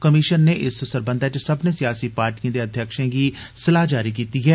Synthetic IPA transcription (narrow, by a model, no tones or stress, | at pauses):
kəmiʃənːeːʔɪssəɾbə̃nd̪ʱət͡ʃsəbnẽːsɪjaːsiːpaːɾʈijãd̪eːəd̪ʱjəkʃẽːɡiː | sɪlaːd͡ʒaːɾiːkiːt̪iːɦɛː